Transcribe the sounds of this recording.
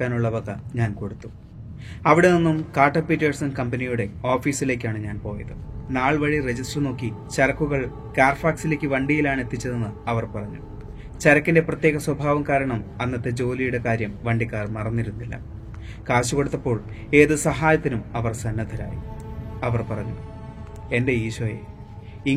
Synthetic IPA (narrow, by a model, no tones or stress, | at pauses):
aːnuɭːɐʋɐɣɐɲaːnko̞ɽut̪ːu̥ | ɐʋiɽeninːumkaːrʈːɐpitːɐrsɐnkɐmpɐnijuɽe̞o̞ːfiːsile̞ːk̬ʲːaːɳɨɲaːnpo̞ːjɐ̰ðɨnaːɭʋɐɻired͡ʑisʈrɐno̞ːkːit͡ɕɐɾɐkːuɣɐɭ | kaːrfaːksile̞ːkʲːɨʋɐɳɖijilaːɳe̞t̪ːit͡ɕːɐðenːɨɐʋɐrpɐrɐɲːṵ | t͡ɕɐɾɐkːinde̞prɐt̪je̞ːɣɐswɐbʱaːʋɐmkaːɾɐɳɐmɐnːɐt̪ːe̞d͡ʑo̞ːlijuɽe̞kaːɾjɐmʋɐɳɖikːaːrmɐrɐnːiɾunːilːɐ̰ | kaːɕuko̞ɽut̪ːɐpːo̞ːɭ | e̞ːðɨsɐɦaːjɐt̪ːinumɐʋɐrsɐnːɐd̪ʰʱɐɾa̰ːjḭɐʋɐrpɐrɐɲːu | e̞nde̞iːɕʋɐjḛ | i